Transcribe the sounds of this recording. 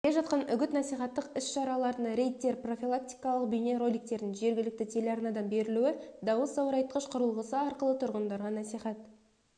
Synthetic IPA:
lʲeʒɑt̪̚qɑnʏɡʲɪt̪nɑsijχɑt̪ːəqɪsʃɑɾɑlˠɑɾd̪ənɾʲe̞jt̪ːe̞ɾpro̞fʲilˠak̚t̪i̥jkɑlˠəq̚bʏjne̞ɾo̞lʲijk̚t̪e̞ɾd̪ɪŋʒe̞ɾɡʲɪlɪk̚t̪ɪt̪ʰe̞lɑɾnɑd̪ɑnbe̞ɾɪluɪd̪ɑwəsɑwəɾɑjt̪̚qəʃqʰʊɾəlˠʁəsəɑɾqəlˠət̪ʰʊɾʁənd̪ɑɾʁɑnæsiχɑt̪

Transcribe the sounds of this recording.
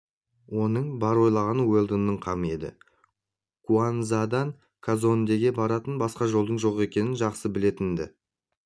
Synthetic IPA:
wo̞nəɴbɑɾwo̞jlˠɑʁɑnəwelˠd̪ənːəɴqʰɑməe̞d̪ɪ̰ | kuanzad̪ɑŋ | kʰazo̞nd̪e̞ɡʲe̞bɑɾɑt̪ənbɑsqɑʒo̞lˠd̪əɴʒo̞ʁe̞kʲe̞nɪnʒɑqsəbɪle̞t̪ɪnd̪ɪ̰

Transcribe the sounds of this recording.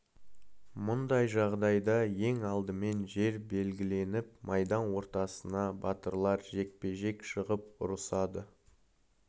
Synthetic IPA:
mʊnd̪ɑjʒɑʁd̪ɑjd̪ɑje̞ŋɑlˠd̪əme̞nʒe̞ɾbe̞lɡʲɪle̞nɪp̚mɑjd̪ɑnwo̞ɾt̪ɑsənɑbɑt̪əɾlˠɑɾʒe̞k̚pe̞ʒe̞kʃəʁəp̚ʊ̰ɾəsɑd̪ə

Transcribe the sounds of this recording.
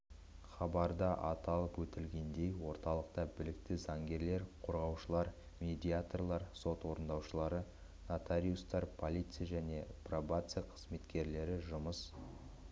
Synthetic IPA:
χɑbɑɾd̪ɑʔɑt̪ɑlˠəpwɵt̪ɪlɡʲe̞nd̪e̞jwo̞ɾt̪ɑlˠəq̚t̪ɑbɪlɪk̚t̪ɪzɑŋɡʲe̞ɾle̞ɾqʰo̞ɾʁɑwʃəlˠɑɾ | mʲe̞d̪ʲiat̪o̞rlˠɑɾso̞t̪wo̞ɾənd̪ɑwʃəlˠɑɾə | not̪aɾʲiust̪ɑɾpʰo̞lʲijt̪sɨjaʒæne̞provat̪sɨjaqʰə̥zme̞t̪kʲe̞ɾle̞ɾɪʒʊməs

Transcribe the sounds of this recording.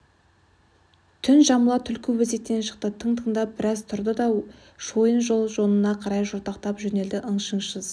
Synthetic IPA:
t̪ʰʏnʒɑməlˠɑt̪ʰʏlkʲʰɪwɪzet̚t̪ːe̞nʃə̥q̚t̪ət̪ʰəɴt̪ʰəɴd̪ɑbɪɾɑzt̪ʰʊɾd̪əd̪ɑ | ʃojənʒo̞lˠʒo̞nənɑqʰɑɾɑjʒʊɾt̪ɑqt̪ɑpʒɵne̞ld̪ɪʔəɴʃəɴʃəz

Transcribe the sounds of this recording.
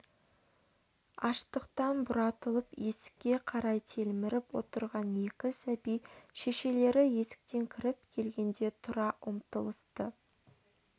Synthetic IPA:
ɑʃt̪əqt̪ɑnbʊɾɑt̪əlˠəpje̞sɪ̥kʲːe̞qʰɑɾɑjt̪ʰelmɪɾɪpwo̞̰t̪əɾʁɑne̞kʲɪsæbijʃe̞ʃe̞le̞ɾɪje̞sɪ̥k̚t̪e̞ŋkʲʰɪɾɪp̚kʲʰe̞lɡʲe̞nd̪e̞t̪ʰʊɾɑʔʊmt̪əlˠəst̪ə

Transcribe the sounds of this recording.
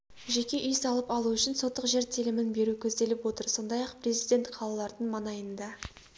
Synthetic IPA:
ʒe̞kʲe̞ʔʏjsɑlˠəpɑlˠuʏʃɪnso̞t̪ːəqʒe̞ɾt̪ʰilɪmɪnbe̞ɾukʲʰɵzd̪e̞lɪpwo̞t̪əɾso̞nd̪ɑjɑqpre̞zijd̪ʲe̞nt̪qʰɑlˠɑlˠɑɾd̪əɴmɑnɑjənd̪ɑ

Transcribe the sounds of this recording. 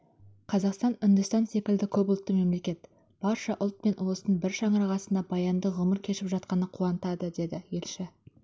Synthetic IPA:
qʰɑzɑqst̪ɑnʏnd̪ɪst̪ɑnse̞kʲɪld̪ɪkʲʰɵbʊlˠt̪ːəme̞mle̞kʲe̞t̪ | b̥ɑɾʃɑʔʊlˠt̪̚pe̞nwo̞sənbɪɾʃɑɴəɾɑʁɑsənd̪ɑbɑjɑnd̪əʁʊməɾkʲʰe̞ʃɪpʒɑt̪̚qɑnəqʰuɑnət̪ɑd̪əd̪e̞d̪ɪje̞lʃɪ

